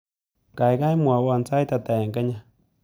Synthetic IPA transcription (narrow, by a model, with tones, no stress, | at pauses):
ka˨jka˦jmwa˨˦wa˨nt͡sa˦jta˨ta˨jɛ˨ŋkɛ˦ɲa˦˨